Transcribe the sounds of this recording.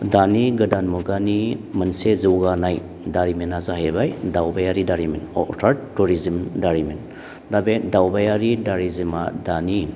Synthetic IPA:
daniɡɐdanmuɡanimɐnsezuwɡanaj | daɾiminazaɦebajdawbajaɾidaɾiminɔ̰ʔtʰaɾtuɾizimdaɾimin | dabedawbajaɾidaɾizimadani

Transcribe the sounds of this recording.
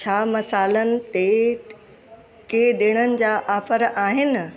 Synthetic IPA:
t͡ɕʰaːmɐsaːlənɪ̆t̪e | keɗɪːɽ̃ənɪ̆d͡ʑaːʔaːfəɾaːɦɪnɪ̆

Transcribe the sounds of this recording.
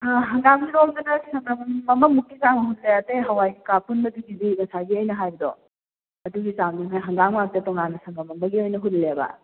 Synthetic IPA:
ɦɐŋɡaŋɡiɾomdɐnɐsɐŋɡɐmmɐmɐmukːisaŋɐɦusejatejɦɐwajɡikapunbɐduɡidimɐsaɡiɔjnɐɦajbɐdɔ | ɐduɡisaŋdiɦajɦɐŋɡaŋmak̚tɐtɔŋanːɐsɐŋɡɐmɐŋbɐɡiojnɐɦullebɐ̰

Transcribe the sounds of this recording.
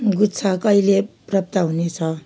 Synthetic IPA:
ɡutt͡sʰakʌileprʌp̚t̪aɦunet͡sʰʌ

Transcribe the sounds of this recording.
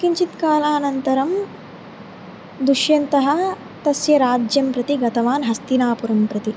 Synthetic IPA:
kiɲt͡ʃit̪kaːlaːnɐnt̪ɐɾɐm | d̪uʃjɐnt̪ɐɦɐ̆ | t̪ɐsjɐɾaːd͡ʒjɐmpɾɐt̪iɡɐt̪ɐʋaːnɦɐst̪inaːpuɾɐmpɾɐt̪i

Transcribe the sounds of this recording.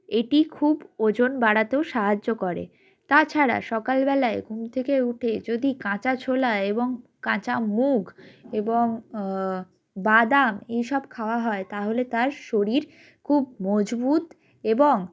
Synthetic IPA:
eʈikʰubod͡ʑonbaɽat̪eoʃaɦad͡ʑːokɔɾḛ | t̪at͡ɕʰaɾa̰ʃɔkalbɛlaeɡʱumt̪ʰekeuʈʰed͡ʑod̪ikãt͡ɕat͡ɕʰolaeboŋkãt͡ɕamuɡeboŋ | bad̪amejʃɔbkʰaoaɦɔet̪aɦolet̪aɾʃoɾiɾ | kʰubmɔd͡ʑbut̪ | eboŋ

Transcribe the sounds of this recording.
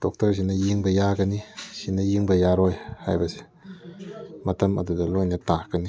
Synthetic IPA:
d̥ɔk̚tɐɾs̬inɐjiŋbɐjaɡɐnisinɐjiŋbɐjaɾɔjha̰jbɐse̥ | mɐtɐmɐ̰dudɐlojnɐtaɡɐni

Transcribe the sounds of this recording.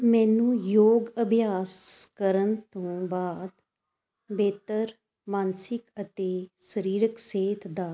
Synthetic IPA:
mɛ̃ːnũːjoːɡəbʱjaːskəɾənt̪õːbaːd̪ | beːt̪əɾ | mãːnsɪkət̪eːsəɾiːɾəkseːt̪ʰd̪aː

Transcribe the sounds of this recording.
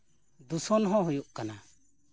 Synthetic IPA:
d̪usɔnɦɔ̃ɦujuʔkana

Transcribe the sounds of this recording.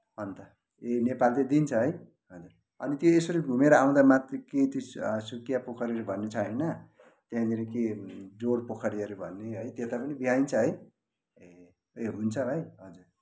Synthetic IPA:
ʌnt̪ʌ | enepalted̪int͡sʰʌɦʌj | ʌd͡zur | ʌnit̪joesʌɾiɡʱumeɾʌaw̃d̪amat̪reket̪isukijapokʰʌɾeɾubʱʌnːet͡sʰʌɦʌjnʌ | t̪jãd̪iɾeked͡zoɽpokʰʌɾieɾubʱʌnːeɦʌjt̪jet̪apʌnibiɦaint͡sʰʌɦʌj | eɦunt͡sʰʌʌjɦʌd͡zur

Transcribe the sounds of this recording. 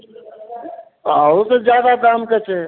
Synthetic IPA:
aːosed͡ʒjaːd̪akaːmkət͡ʃʰeː

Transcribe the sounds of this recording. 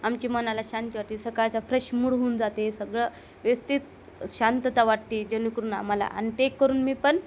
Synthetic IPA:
amt͡ɕiːmənalaɕant̪iʋaʈt̪iːsəkaɭt͡safɾeɕmuɽɦuːnd͡zat̪esəɡɭə | ʋest̪iːt̪ | ɕant̪ət̪aʋaʈ̚t̪iːd͡ʑenukəɾuːna̰m̤ala̰ʔa̰nt̪ekːəɾuːnmiːpən

